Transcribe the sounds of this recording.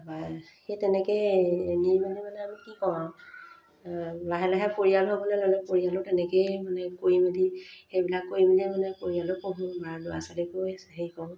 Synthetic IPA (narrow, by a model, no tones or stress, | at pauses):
baxetɛnɛkɛjnimadimanɛamikikɔwãw | ɹaɦɛlaɦɛpoɹialɦɔbɔlɛlɔlɛpoɹijalɔtɛnɛkejmanɛkoɹimedixejbilakːojimilɛmanɛkoɹialɔkoɦũbaɹlʊasalikojasɛɦejkɔ̃